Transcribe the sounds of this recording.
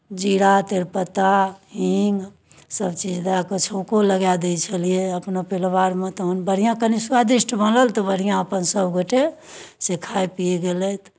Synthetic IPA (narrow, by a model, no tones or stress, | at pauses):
d͡ʒiɽat̪eɾpət̪aɦiŋɡ | səbt͡ʃid͡ʒd̪akət͡ʃʰəʊkoləɡjad̪ɛjt͡ʃʰəlijeəpnopelʋaɾmet̪ɔɦənbəɽ̤ijãkənisuad̪isʈbənləlt̪ɔbəɽ̤ijãəpənsəbɡoʈesekʰajpieɡelɛt̪ʰ